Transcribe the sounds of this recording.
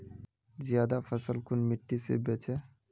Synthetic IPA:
zjad̪afəsəlkʰunmiʈːisḛbet͡ʃʰe

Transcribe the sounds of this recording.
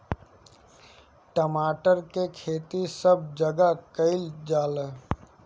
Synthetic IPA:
ʈəmaːʈəɾkekʰeːt̪isəb̚d͡ʒəɡakəɪld͡ʒaːl

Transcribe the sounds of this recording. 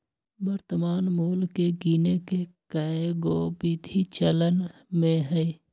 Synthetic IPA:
bəɾt̪əmaːnmuːlkeɡiːnekekəeɡoːbit̪it͡ʃələnmẽɦɛi

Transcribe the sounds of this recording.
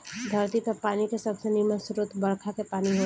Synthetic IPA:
d̪ʱəɾt̪ikəpaːnikesɐbsənimə̃sʊɾʊt̪ʰbɐɽkʰakepaːniɦoː

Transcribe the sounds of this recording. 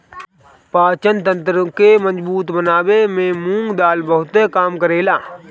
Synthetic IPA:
paːt͡ʃənt̪ə̃nt̪ɾəkeməd͡ʒbuːt̪bənaːwemẽmũŋɡd̪aːlbəɦʊt̪ekaːmkəɾeːlaː

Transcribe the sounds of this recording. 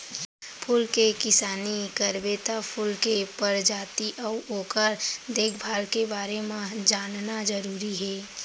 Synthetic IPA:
pʰʊlkekɪsaːnikəɾbeːt̪apʰʊlkepəɾd͡ʒaːt̪iʔɔoːkəɾd̪eːkʰbʱaːlkebaːɾemãd͡ʒaːnnad͡ʒəɾuːɾiɦɛː

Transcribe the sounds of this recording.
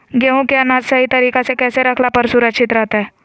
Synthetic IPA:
ɡeũkeɐnaːd͡ʒ̪sɐɦit̪ɐɾiːkesekɛːseɾɐkʰlapəɾsʊɾəkʃɪt̪ɾɛɦt̪aɦɛː

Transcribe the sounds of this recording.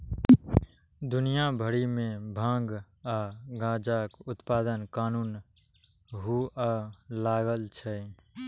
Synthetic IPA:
d̪ʊnijabʱəɽimẽbʱãːŋɡ | aːɡãːd͡ʒakʊt̪paːd̪ənkaːnuːn | ɦualaːɡəlt͡ʃʰɛ

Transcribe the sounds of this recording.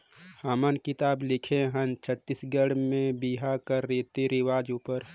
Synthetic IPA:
hamənkɪt̪aːblɪkʰeɦə̃nt͡ʃʰət̪ːisɡəɽmẽbiɦakəɾːit̪iɾɪʋaːd͡ʒupəɾ

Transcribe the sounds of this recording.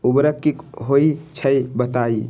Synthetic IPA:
ubɾəkːikɦoit͡ʃʰəjbət̪ai

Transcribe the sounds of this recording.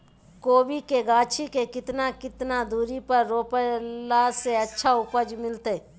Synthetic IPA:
koːbikeɡaːt͡ʃʰikekɪt̪nakɪt̪nad̪uːɾipɐɾːoːpəlaseɐtːʃʰaʊpəd͡ʒmɪlt̪e

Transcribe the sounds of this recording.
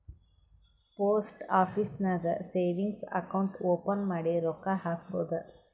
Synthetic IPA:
poːsʈaːfisnɐɡɐseːʋɪŋɡsɐ̰kɐwʊɳʈoːpɐnmɐɽeɾɔkːahaːkpoːd̪ɐɾ

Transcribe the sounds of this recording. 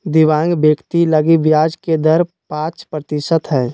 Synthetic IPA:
d̪ɪʋãːŋɡbjəkt̪iləɡibjaːd͡ʒked̪əɾ | pãːt͡ʃpɾət̪ɪʃət̪ɦɛː

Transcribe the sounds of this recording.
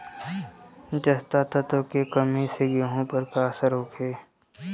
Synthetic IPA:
d͡ʒəst̪at̪ʰat̪okekəmeseɡeɦõpəɾkaːsəɾɦoːkʰeː

